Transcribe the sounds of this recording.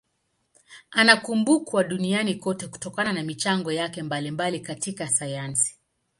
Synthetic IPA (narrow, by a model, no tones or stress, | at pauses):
anakumbukwaɗunianikɔtɛku̥tɔkananamit͡ʃaŋɡɔjakɛmbalimbalikatikasajansi̥